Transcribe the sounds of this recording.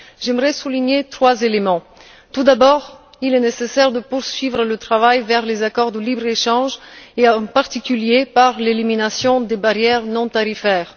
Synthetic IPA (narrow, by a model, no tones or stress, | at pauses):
ʒ̥ɛmʁɛsuliɲet̪χwazelemɑ̃ | t̪ud̪abɔʁ | ilɛnesesɛʁd̪əpuʁsɥivʁələt̪χavajvɛʁlezakɔʁd̪əlibʁeʃɑ̃ʒeɑ̃paʁt̪ikʲyljepaʁleliminasjɔ̃d̪ebaʁjɛʁnɔ̃t̪aʁifɛːʁ